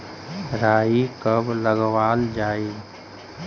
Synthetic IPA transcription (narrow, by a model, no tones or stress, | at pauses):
ɾaːikəbləɡwaːld͡ʒaːi